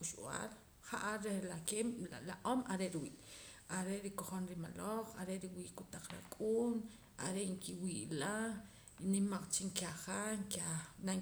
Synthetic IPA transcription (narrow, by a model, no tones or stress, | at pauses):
uʃa̰l | χaʔaɾehlakemlaʔomaɾeʔɾiwiːʔaɾeʔɾikoχonɾima̰loχaɾeʔɾiwiːʔkut̪aq͡χɾa̰kʼuːn | a̰ɾeʔŋkiwiʔla | nimaq͡χt͡ʃiŋkaχaŋkana